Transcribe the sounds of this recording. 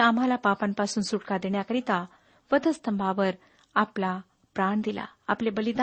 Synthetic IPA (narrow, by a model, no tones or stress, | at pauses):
am̤alapapãnpasuːnsuʈkad̪eɳjakəɾit̪a | ʋəd̪ʱəst̪ʰəmbʱaʋəɾ | apla | pɾaɳd̪ila̰a̰plebəlid̪a